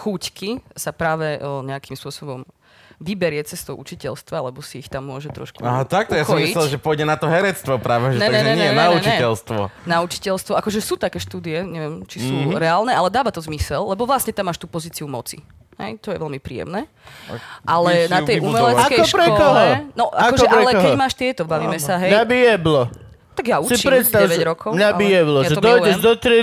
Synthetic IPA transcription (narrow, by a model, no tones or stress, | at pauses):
xuckisapɾaːʋɛʔɲɛakimspʊɔsɔbɔm | ʋibɛɾɪɛt͡sɛst̪ɔʊʔut͡ʃicɛlst̪ʋalɛbɔsiːxt̪amːʊɔʒɛt̪ɾɔ̰ʃkuaɦat̪akt̪jasxɔjmisɛlʒɛpɔjɟɛnat̪ɔɦɛɾɛt͡st̪ʋɔpɾaːʋɛʒɛɛɛɛɲɛjɛnauɲt͡ʃiɛɛlst̪ʋɔnaut͡ʃi̥cɛlst̪ʋɔʔakɔʒɛsuːt̪akɛːʃt̪uːd̪iɛɲɛʋɛmt͡ʃisuːɾɛaːlnɛʔalɛd̪aːʋat̪ɔzmisɛlːɛbɔʋlastɲɛt̪amːaːʃt̪uːpɔziːt͡siumɔ̰t͡sḭ | hɛ̰jt̪ɔjɛʋɛlmipɾḭːjɛ̰mnɛː | ʔalɛnat̪ɛjumɛlɛt͡sakɛɔʃkpɾɛɔkɔɦlɔɛnɔʔakɔʒɛʔɛlɛkɦɛmaːʃt̪ɪɛt̪ɔbaʋiːmɛssaɦɛjabijɛblɔ | t̪aɡjausipɾɛst̪aɛʋɛɟɾɔkʰɔʊmɲabijɛblɔjaʒɛɔd̪ɔjɛʒd̪ɔt̪ɾi